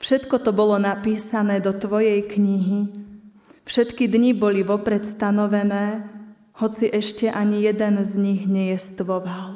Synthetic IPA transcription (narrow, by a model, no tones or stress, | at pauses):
fʃɛt̪kɔt̪ɔbɔlɔnapiːsanɛːd̪ɔt̪ʋɔjɛjkɲiɦi | fʃɛt̪kid̪ɲibɔliʋɔpɾɛt̪st̪anɔʋɛnɛː | hɔt͡siʔɛʃcɛʔaɲijɛd̪ɛnzɲiɣɲɛjɛst̪ʋɔʋal